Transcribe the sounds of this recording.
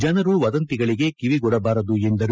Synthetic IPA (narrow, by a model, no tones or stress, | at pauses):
d͡ʒɐnɐɾuʋɐd̪ɐnt̪iɡɐɭiɡe̞kiʋiɡɔɽɐbaːɾɐd̪uend̪ɐɾ